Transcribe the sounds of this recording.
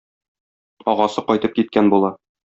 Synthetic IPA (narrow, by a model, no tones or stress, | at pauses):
ɒʁɑsɤqɒjt̪ɤp̚kit̪̚kænbulˠɑ